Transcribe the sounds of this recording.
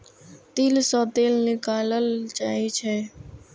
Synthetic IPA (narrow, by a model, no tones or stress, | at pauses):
t̪iːlsɔːt̪eːlnɪkaːləlt͡ʃaːit͡ʃʰɛː